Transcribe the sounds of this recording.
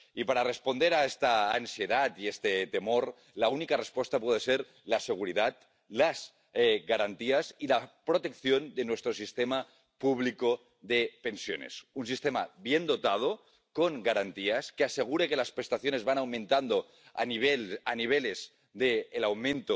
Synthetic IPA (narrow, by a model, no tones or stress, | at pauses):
ipaɾarespond̪eɾaest̪aːnsijeðat̪iest̪et̪emoɾ | launikarespwest̪apweð̞eseɾ | laseɣ̞uɾiðat̪̚ | laz | ɛɣaɾant̪iasilapɾot̪e̞kθjo̞nd̪enwest̪ɾosist̪ema | puβ̞liko | ðepe̞nsjo̰nḛsunsist̪ema̰βjend̪ot̪að̞o | koŋɡaɾant̪iaskeaseɣ̞uɾekelaspɾest̪aθjonezβanawmẽnt̪and̪o | a̰niβelaniβ̞elez | d̪eːlawmẽnt̪o